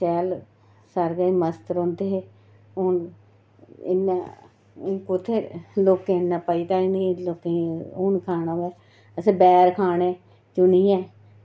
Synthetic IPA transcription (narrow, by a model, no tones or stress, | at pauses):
ʃɛːl | səɾɡəiːməst̪ɾõːnd̪eːɦeː | ʊn | ɪ̰nːa | kʊt̪ʰːeːloːkẽːnːãːpəiːt̪aːniloːkẽʊnkʰaːnãːʋɛː | əsẽːbɛːɾkʰaːneː | t͡ʃʊniːjɛ̃ː